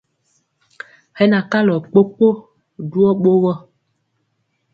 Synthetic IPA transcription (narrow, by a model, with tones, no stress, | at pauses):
hɛ˦na˨ka˦lɔ˨k͡po˦k͡po˦ | du˦ɔ˦ɓo˦ɣɔ˦